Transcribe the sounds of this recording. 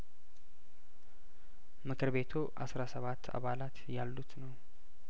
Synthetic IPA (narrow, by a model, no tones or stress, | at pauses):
mɨkʰɨɾβe̞t̪ʰuʔa̰sɾasəβat̪ʰːa̰βalat̪jalːut̪nəw